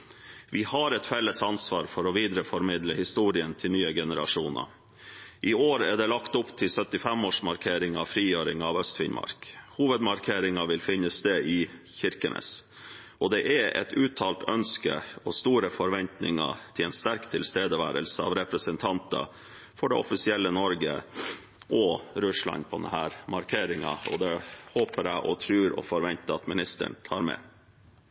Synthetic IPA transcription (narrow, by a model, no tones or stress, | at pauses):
ʋɪhɑɾɛt̪fɛlːəsɑnsʋɑːɾfɔɾɔʋiːd̪ɾəfɔɾmɪd̪ləhɪst̪uːɾɪənt̪ʰɪlnyːəɡɛnəɾʔɑ̰ʂuːnə̰ | ʔɪoːɾæɖ̪ɛlɑkt̪ʊpt̪ʰɪlsœt̪ɪfɛmoːʂmɑɾkʰeːɾɪŋɑʋfɾiːjøːɾɪ̰ŋɑːʋœst̪fɪ̰nmʔɑ̰ɾkhuːʋəd̪mɑɾkʰeːɾɪŋɑʋɪlfɪnːəst̪eːʔɪçɪɾkənə̰s | ʔɔd̪ɛʔɛɛ̰t̪ʉːt̪ʰːɑːlt̪ʰœnskə̰ɔst̪uːɾəfɔɾʋɛnt̪nɪ̰ŋɑ̰t̪ʰɪlɛnst̪æɾkt̪ʰɪlst̪eːd̪əʋæ̰ːɾəlsəɑ̰ːʋɾɛpɾəsənt̪ʰɑnt̪ɑ̰ | fɔɖɛɔfɪsɪɛlːənɔɾɡə | ʔɔɾʉʂlɑ̰npʰɔd̪ɛ̰nhæːɾmɑɾkʰeːɾɪŋɑ̰ɔ̰d̪ɛhoːpəɾæɪʔɔt̪ʰɾʉːɾɔ̰fɔɾʋɛnt̪əɑt̪mɪnɪst̪ə̰ɳt̪ʰɑːɾmɛ̰